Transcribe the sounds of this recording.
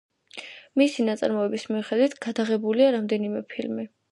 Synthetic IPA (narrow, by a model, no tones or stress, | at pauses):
misinat̪sʼa̰ɾmɔɛbismiuχɛd̪wit̪ʰɡ̥ad̪aʁɛbuliaɾamd̪ɛnimɛpʰilmi